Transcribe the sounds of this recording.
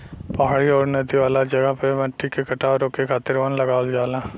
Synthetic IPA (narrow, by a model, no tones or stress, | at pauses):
pɐɦaːɽiɔːɾnɐd̪iʋaːlad͡ʒɐɡəɦpemɐ̃ʈːikekɐʈaːʋɾõkekʰaːt̪ɪɾʋɐnlɐɡaːld͡ʒaːlãː